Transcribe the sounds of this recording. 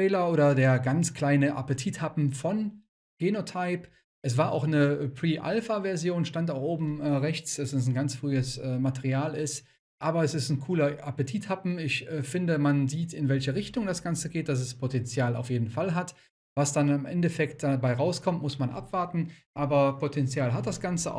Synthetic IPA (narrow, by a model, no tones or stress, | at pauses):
ɛːlɐʔoːɾɐdeːɐɡant͡skʰl̥aɪnəʔa̰pətʰiːthapm̩fɔn | ɡ̥eːnotʰaɪp | ʔɛs̬v̥aːɐʔa̰ʊxnəpʁ̥iːʔa̰lfavɛɐzjoːnʃtantaʊxʔoːbm̩ɛːʁɛçt͡sd̥asd̥as̬n̩ɡant͡sfʁ̥yːəsʔɛːmatɛʁiaːlɪst | ʔaːbɐɛsɪstn̩kʰuːlɐʔapətʰiːthapm̩ɪçɛːfɪndəmanziːtɪnvɛlçəʁɪçtʊŋdasɡ̥ant͡səɡeːt̚d̥as̬ɛspʰotɛnt͡sjaːla̰ʊfjeːdn̩falɦat | vasd̥anɪmʔɛ̰ndɛfɛkt̚d̥abaɪʁaʊskʰɔmtmʊsmanʔa̰pv̥aɐtn̩ʔaːbɐpʰotʰɛnt͡sjaːlɦat̚d̥asɡ̥ant͡səa̰